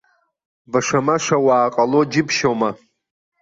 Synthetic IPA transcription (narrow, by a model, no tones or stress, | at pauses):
baʂamaʂawaːqʼalod͡ʒɪpʰʃoma